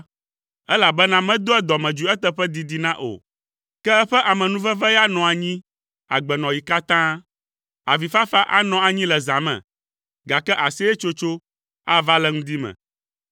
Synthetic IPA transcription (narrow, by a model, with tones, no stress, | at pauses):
ɛ˦la˨bɛ˦nã˦mɛ̃˦d̪o˦ɛ˦d̪ɔ˨mɛ̃˨d͡ʒu˨ɛ˦t̪ɛ˦ɸɛ˦d̪i˨d̪i˨nã˦ʔo̰˨ | kɛ˦ɛ˦ɸɛ˦ʔa˨mɛ̃˨nũ˦vɛ˦vɛ˦ja˦nɔ̃˨a˨ɲĩ˦ | a̰˨ɡ͡bɛ˨nɔ̃˨ji˨ka˦t̪ã˦ | a˨vi˨fa˦fa˦ʔa̰˦nɔ̃˨a˨ɲĩ˦lɛ˨zã˨mɛ̰̃˨ | ɡa˨kɛ˦ʔa˨sɛ˦ɛ˦t͡ʃo˦t͡ʃo˦ | a˦va˦lɛ˦ŋũ˦d̪i˦mɛ̰̃˨